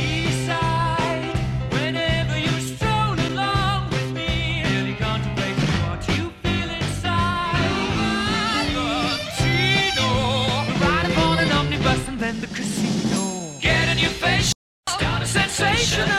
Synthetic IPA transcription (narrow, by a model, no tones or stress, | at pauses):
isaɪ | wɨ̃nɛvə˞jɨstɹ̥õʊ̃nəlɔ̃ŋwɪðmiɪlˠiɡɑ̃ntʰɨweɪfə̃wʌjɨfilˠɪ̃nsaɪ | ətʰinoʊɹaɪɾɨpʰɑ̃nɨ̃nʌmnibʌsɨ̃nðɨ̃nðɨkʰɹ̥ɨsĩnoʊɡ̥ɛɾɨ̃njɨfeɪʃ | sdãʊ̃nɨsɛ̃nseɪʃɨ̃